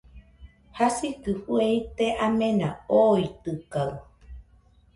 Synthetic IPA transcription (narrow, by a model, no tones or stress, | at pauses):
hasikɨhuejt̪eʔamẽnãoit̪ɨkaw